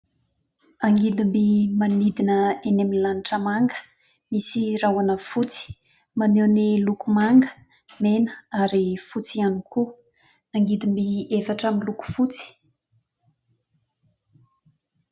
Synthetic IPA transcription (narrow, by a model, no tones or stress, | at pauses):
aŋɡid̪imbimanid̪inəeneminlaniʈ͡ʂəmaŋɡə̥ | misirawanəfut͡si̥ | manewnilukumaŋɡə̥ | menə̥aɾifut͡sianikʰu | aŋɡid̪imbiefaʈ͡ʂamiluku̥fut͡si̥